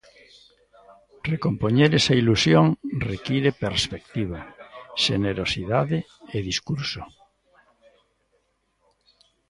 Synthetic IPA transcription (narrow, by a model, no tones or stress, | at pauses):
rekompoɲeɾesɐilusjoŋrekiɾepeɾspek̚t̪iβaʃeneɾosiðaðe | eðiskuɾso